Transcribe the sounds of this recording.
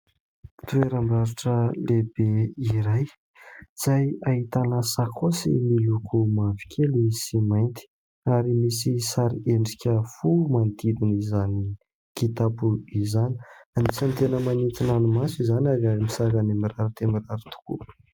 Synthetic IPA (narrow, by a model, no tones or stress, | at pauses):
t̪ueɾambaɾiʈ͡ʂəlebeiɾaj | d͡z̥ajaɦit̪anasakʰosḭmilukʰumavi̥kʰʲelisimajnt̪i̥ | aɾimisisaɾieɳɖ͡ʐikʲəfumand̪id̪inizani | kit̪apuizani̥anisant̪enəmanit̪inanumasizanaɾaɾimisakanimiɾaɾat̪emiraɾit̪u̥kṵ